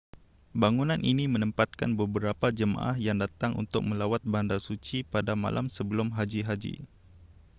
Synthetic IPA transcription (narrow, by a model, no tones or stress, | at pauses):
baŋunanʔinimənəmpat̪̚ka̰nbəbəɾapad͡ʒəma̰ʔahjaŋdat̪aŋṵnt̪ʊ̰k̚məlawat̪̚bandasut͡ʃipadama̰lʔa̰msəbəlʊmɦad͡ʒiɦad͡ʒḭ